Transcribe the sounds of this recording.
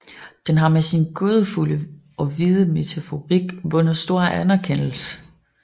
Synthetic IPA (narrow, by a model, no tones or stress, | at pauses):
d̥enɦɑ̈mesinɡ̥o̝ːð̞ˠəfuləʔɒ̽ʋiðˠəme̝t͡sʰæfo̝ʁiɡ̥ʋɔ̽nð̩ˠsd̥o̝ɐ̰ænɐkʰen̰l̩sə